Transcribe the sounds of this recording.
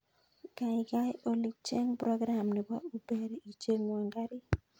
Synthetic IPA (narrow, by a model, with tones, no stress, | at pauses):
ka˨ɪ˨ɡa˦jo˨li˨t͡ʃe˦ŋpɾɔ˦ɡɾa˨mnɪ˨ba˦u˦be˨ɾi˨t͡ʃe˦ŋwa˨ŋɡa˦ɾɪ˦